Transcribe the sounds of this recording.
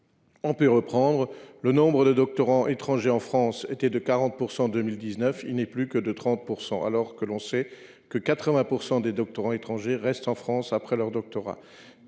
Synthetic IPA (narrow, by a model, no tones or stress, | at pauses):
ɔ̃pøʁəpχɑ̃d̪ʁələnɔ̃bʁəd̪əd̪ɔk̚t̪ɔʁɑ̃ʔet̪χɑ̃ʒeɑ̃fχɑ̃set̪ɛd̪əkaʁɑ̃t̪̚puʁsɑ̃d̪əmild̪iznœfilnɛplykəd̪ət̪χɑ̃t̪̚puʁsɑ̰̃a̰lɔʁkəlɔ̃sɛ | kəkat̪χəvɛ̃puʁsɑ̃d̪ed̪ɔk̚t̪ɔʁɑ̃et̪χɑ̃ʒeʁɛst̪ɑ̃fχɑ̃sapχɛlœʁd̪ɔk̚t̪ɔʁa̰